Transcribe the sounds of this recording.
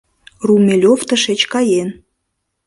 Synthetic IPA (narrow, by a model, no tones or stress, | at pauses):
rumʲelʲoft̪əʃet͡ɕkɑjen